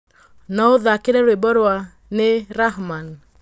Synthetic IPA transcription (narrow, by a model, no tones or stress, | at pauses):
nɔoðakeɾɛɾwebɔɾwa | neɾaɦman